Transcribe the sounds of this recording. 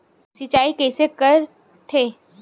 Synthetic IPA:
sɪt͡ʃaːikɛːsekəɾ | ʈʰeː

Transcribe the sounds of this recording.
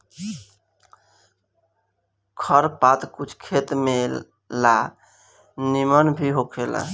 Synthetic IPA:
kʰəɾpat̪kut͡ʃʰkʰet̪me | la | nimənbʱiɦokʰela̰

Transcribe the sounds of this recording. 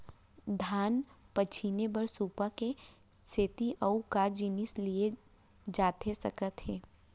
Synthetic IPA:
d̪ʱaːn | pət͡ʃʰinebəɾsuːpake | seːt̪iʔəukad͡ʒiːnɪslie | d͡ʒaːt̪esəkət̪ɦeː

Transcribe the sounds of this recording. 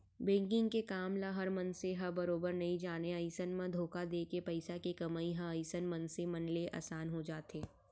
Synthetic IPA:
bẽːŋkɪ̃ŋɡkekaːmlaɦɐɾmɐnseɦɐɾbɐɾoːbəɾnɐɦĩd͡ʒaːneɐɪsənmãd̪ʱoːkad̪eːkepɐɪsakekɐmaːiɦɐ̃əɪsənmɐ̃nsemɐnleʔa̰ːsaːnɦod͡ʒaːt̪eː

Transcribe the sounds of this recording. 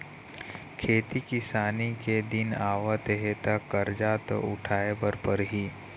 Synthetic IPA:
kʰeːt̪ikɪsaːniked̪ɪnaːʋat̪ɦet̪akːəɾd͡ʒaːt̪o̰ʊ̰ʈʰaːebəɾpəɾɦiː

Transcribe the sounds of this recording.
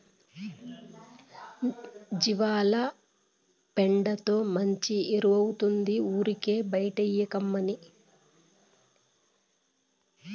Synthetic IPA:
d͡ʒiʋaːlɐ | peɳɖɐt̪o̞ːmɐɲt͡ʃieɾuʋɐwut̪und̪iuːɾike̞ːbɐjʈɐjːɐkɐmːɐni

